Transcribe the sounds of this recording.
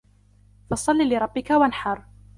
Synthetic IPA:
fɑsˤɑlːiːlɪɾˤɑbːɪkawanħɑɾˤ

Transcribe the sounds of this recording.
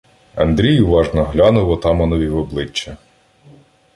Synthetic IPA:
ɐ̰nd̪ɾʲijʊʋɑʒnɔɦlʲɑnʊʋɔt̪ɑmɐnɔʋʲiʋɔblˠɪt͡ʃːɐ

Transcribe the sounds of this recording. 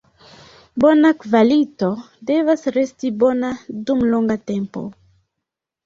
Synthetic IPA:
bonakvalito̞ | de̞vasɾe̞stibo̞nadumloŋɡate̞mpo̞̰

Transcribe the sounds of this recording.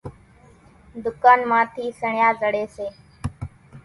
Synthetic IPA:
d̪ʊkaːnmãːt̪ʰiːsəɳjãːzəɽeːseː

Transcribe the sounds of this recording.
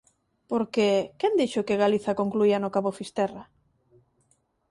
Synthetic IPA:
poɾkekɛnd̪iʃʊkeɣaliθakoŋkluianokaβofist̪ɛra

